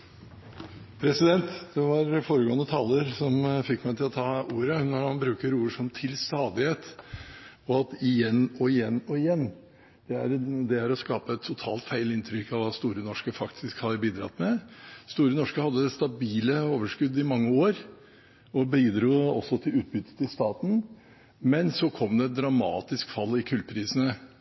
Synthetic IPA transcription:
pʰɾɛsɪd̪ɛnt̪d̪̥ɛʋɑɾfoːɾəɡoːənət̪ʰɑːləɾsɔmfɪkːmæɪt̪ʰɪlɔt̪ʰɑːuːɾənɔɾmɑnbɾʉːkəɾuːəʂɔmt̪ʰɪlst̪ɑːd̪ɪheːt̪ | ɔɑt̪ɪjɛnːɔɪjɛnːɔɪjɛnː | d̪̥ɛæɾd̪ɛæɾɔskɑːpəɛt̪ʰːʊt̪ʰɑ̰ːlt̪fæɪlɪnt̪ʰɾʏkːɑʋɑːst̪uːɾənɔʂkəfɑkt̪ʰɪskhɑbiːd̪ɾɑ̰t̪mɛst̪uːɾənɔʂkəhɑd̪ːəɛst̪ɑbiːləoːʋəʂkʉd̪ːɪmɑŋːəoːɾ | ɔbiːd̪ɾuːɔsːɔt̪ʰɪlʉːt̪̚bʏt̪ːə̥t̪ʰɪlst̪ɑːt̪n̩ | mɛnsɔkʰɔmd̪ɛd̪ɾɑmɑ̰ːt̪ɪskfɑlːɪkʰʉlt̪̚pʰɾiːsənə

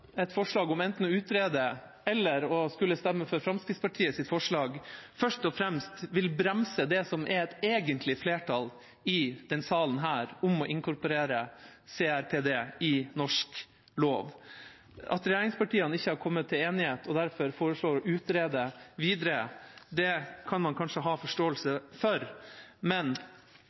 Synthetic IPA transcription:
ɛt̪fɔʂɭɑːɡʊmɛnt̪n̩ɔʉːt̪ɾeːd̪ə | ɛlːəɾɔskʉlːəst̪ɛmːəfɔɾfɾɑmskɾɪt̪spɑʈʰiːəsɪt̪fɔʂɭɑːɡfœʂʈɔfɾɛmst̪ʋɪlbɾɛmsəd̪ɛsɔmʔɛɾɛt̪eːɡənt̪ʰlɪfleːʈʰɑl | ɪd̪̥ɛnsɑːlənɦæːɾʊmɔʔɪŋkʰʊɾpɔɾeːɾəseːæɾpʰeːd̪eːɪnɔʂk | loːʋ | ɑ̰t̪ɾɛjeːɾɪŋspɑʈʰiːənɪçːəhɑɾkʰɔmːət̪ʰːɪleːnɪheːt̪ɔd̪æɾfɔɾfoːɾəʂɭoːɾɔʔʉːt̪ɾeːd̪əʋiːd̪ɾəd̪ɛkʰɑnmɑnkʰɑnʂəɦɑːfɔʂʈoːəlsəfɔɾmɛn

